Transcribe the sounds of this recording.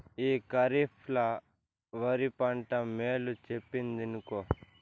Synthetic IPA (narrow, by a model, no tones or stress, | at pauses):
iːkɐɾipʰlɐ | ʋɐɾipɐɳʈɐmeːlut͡ʃepːind̪inukoː